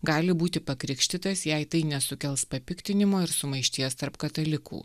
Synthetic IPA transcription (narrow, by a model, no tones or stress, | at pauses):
ɡɑːlʲɪbuːt̪ʲɪpɐkɾʲɪkʃʲt̪ʲɪt̪ɐsjɛɪt̪ɐɪnʲɛsʊkʲɛlˠspɐpʲɪkt̪ʲɪnʲɪmoːɪɾsʊmɐɪʃʲt̪ʲiɛst̪ɐɾpkɐt̪ɐlʲɪkṵː